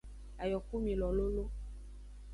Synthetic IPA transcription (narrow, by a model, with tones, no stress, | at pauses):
a˨jɔ˨ku˦mĩ˨lɔ˨lo˦lo˦